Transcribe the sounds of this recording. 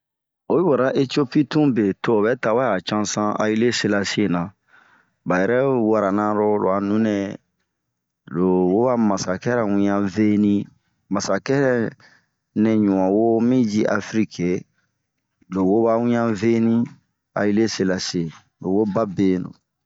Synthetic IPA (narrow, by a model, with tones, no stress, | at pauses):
o˦ju˦bɔ˨ɾa˦ʔe˦ti˦o˦pi˦tũ˦be˨to˦o˨bɛ˦ta˨wa˦ja˨t͡ʃã˦sã˦a̰˦ji˦le˦se˦la˦se˦˨na˨ | ba˨jɛ˨ɾɛ˦wa˨ɾa˨nã˦ɾɔ˦lo̰˨a˨nũ˦nɛ˨ | lo˨wo˦ba˦ma˨sa˨kɛ˦ɾɛ˨wũ˦ɲã˦ve˦nĩ˦ | ma˨sa˨kɛ˦ɾɛ˦ | nɛ̃˨ɲu˨wã˨wo˦mĩ˦d͡ʒi˦ʔa̰˦fɾi˦kʰe˨ | lo˨wo˦ba˦wũ˦ɲã˦ve˦nĩ˦ | a̰˨ji˦le˦se˦la˨se˨ | lo˨wo˦ba˦be˦no̰˨